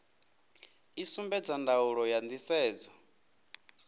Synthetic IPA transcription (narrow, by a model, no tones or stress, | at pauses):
isumbɛd͡zandauɺɔjand̪isɛːd͡zɔ